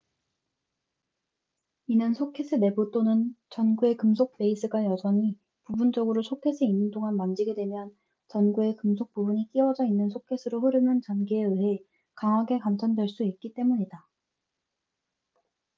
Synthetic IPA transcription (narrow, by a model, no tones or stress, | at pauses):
inɯnsʰokʰes͈ʰɯne̞but͈onɯnt͡ɕʌnɡue̞kɯmsʰok̚p͈e̞is͈ʰɯɡajʌsʰʌŋi | pubund͡ʑʌɡɯɾosʰokʰe̞sʰɯinːɯndoŋanmand͡ʑiɡe̞dwe̞mjʌn | t͡ɕʌnɡue̞kɯmsʰok̚p͈ubuɲik͈iwʌd͡ʑʌinːɯnsʰokʰe̞s͈ʰɯɾoɸɯɾɯnɯnt͡ɕʌnɡiːɯɦe̞ | kaŋɦwaɡe̞kamt͡ɕʰʌndwe̞ɭs͈uik̚k͈it͈e̞muɲida